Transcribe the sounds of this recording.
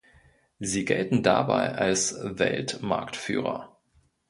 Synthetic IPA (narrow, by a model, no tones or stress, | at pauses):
ziːɡɛltn̩dabaɪʔalsvɛ̰ltma̰ɐktfyːʁɐ̰